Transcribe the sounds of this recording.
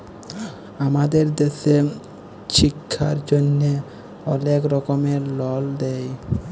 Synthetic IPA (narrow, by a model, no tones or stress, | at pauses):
amad̪eɾd̪eʃe | ʃikʰːaɾd͡ʑonːe | ɔlekɾɔkomeɾlɔld̪ɛj